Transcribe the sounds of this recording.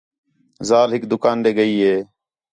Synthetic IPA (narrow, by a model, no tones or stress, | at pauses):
zaːlɦɪkd̪ʊkaːnɗ̪eːɡəiːɦeː